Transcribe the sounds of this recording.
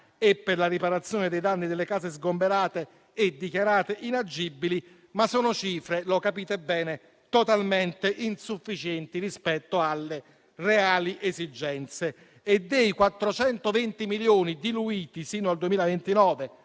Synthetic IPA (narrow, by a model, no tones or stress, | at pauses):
epːerlaɾipaɾat̪sːjoːned̪ejd̪anːid̪elːekaːzezɡombeɾaːt̪eː | d̪ːikjaɾaːt̪eʔinad͡ʒibːili | masːɔːnot͡ʃiːfɾelokapiːt̪ebɛːne | t̪ot̪alment̪eʔinsufːit͡ʃɛnt̪irispɛt̪ːoalːe | reaːliʔezid͡ʒɛnt̪seː | d̪ːejkwat̪ːɾot͡ʃɛnt̪ovent̪imiljoːnid̪iluiːt̪isiːnoald̪uemiːlavent̪inɔːve